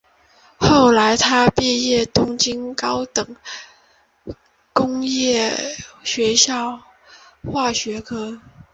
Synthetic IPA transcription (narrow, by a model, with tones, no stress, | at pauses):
xo˥˩ʊla˧˥ɪt̪ʰa˥pjɛ˥˧jɛ˥˩t̪ʊ˥ŋt͡ɕi˥nkɑ˥ʊt̪ɤ˨˩˦ŋ | kʊ˥ŋjɛ˥˩ɕɥɛ˧˥ɕjɑ˥˧ʊ | xwa˥˩ɕɥɛ˧˥kʰɤ˥